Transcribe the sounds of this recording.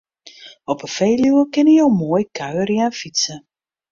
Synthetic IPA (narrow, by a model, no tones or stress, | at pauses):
ɔpəfejljuəkɪnəjowmoːjkʰœɥərjanfitsə